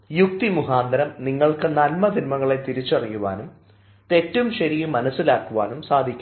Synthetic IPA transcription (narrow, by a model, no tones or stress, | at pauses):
juk̚t̪imuɦaːnd̪ɐɾɐmniŋːɐɭkɨnɐlmɐd̪ʱinmɐŋːɐɭe̞t̪iɾit͡ɕːɐrijuʋa̰ːnum | t̪e̞tːumɕɐɾijumɐnɐsːilaːkːuʋa̰ːnumsaːd̪ʱikʲːu